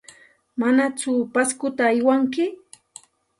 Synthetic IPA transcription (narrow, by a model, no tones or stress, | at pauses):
manat͡sʊpaskʊt̪aːjwaŋkɪ